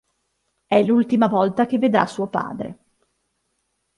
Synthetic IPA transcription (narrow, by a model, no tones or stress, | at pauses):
ɛlult̪imavɔlt̪akevːed̪ɾa̰suːopa̰ːd̪ɾḛ